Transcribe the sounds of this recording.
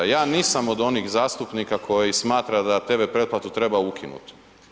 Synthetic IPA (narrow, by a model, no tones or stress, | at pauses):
jaːniːsamo̞d̪o̞nixzaːst̪upnikakʰo̞jismaːt̪ɾad̪at̪e̞bepɾe̞t̪plat̪ut̪ɾe̞baukʰinṵt̪